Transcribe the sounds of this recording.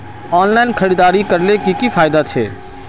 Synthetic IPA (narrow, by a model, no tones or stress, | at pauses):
ɔːnlaɪnkʰəɾid̪aːɾikəɾlekikipʰaːjd̪at͡ʃʰɛ̰